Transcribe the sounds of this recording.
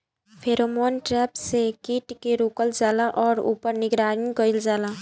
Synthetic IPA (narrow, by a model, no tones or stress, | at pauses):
pʰeːɾoːmoːnʈɾɛːpsekiːʈkeɾuːkəld͡ʒaːlaʔɔːɾṵːpəɾnɪɡɾaːɾɪ̃ŋkəɪld͡ʒaːlaː